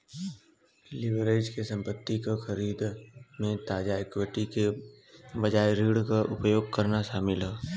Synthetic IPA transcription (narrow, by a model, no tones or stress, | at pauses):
lɪʋɾeːd͡ʒkesɐ̃mpət̪ːikaxɐɾiːd̪mẽt̪aːd͡ʒaekwɪʈike | bɐd͡ʒaːjɾiːɽkaʔʊpjoːɡkɐɾnaʃaːmɪlɦɛː